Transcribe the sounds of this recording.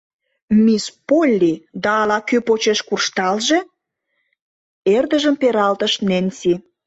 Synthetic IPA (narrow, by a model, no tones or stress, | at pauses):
mispolʲːid̪ɑːlɑkypot͡ɕeʃkurʃt̪ɑlʒe | erd̪ə̆ʒəmpeɾɑlt̪ə̆ʃnensi